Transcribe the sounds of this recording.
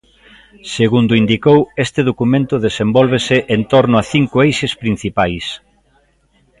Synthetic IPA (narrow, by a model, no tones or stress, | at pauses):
seɣund̪ʊind̪ikowest̪ɪðokumẽnt̪ʊðesembɔlβ̞esɪʔent̪ɔɾnʊaθiŋkʊejʃespɾin̟θipajs